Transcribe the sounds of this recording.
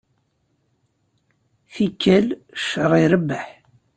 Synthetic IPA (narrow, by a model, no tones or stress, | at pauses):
θikːælʃəɾˤiɾəbːəħ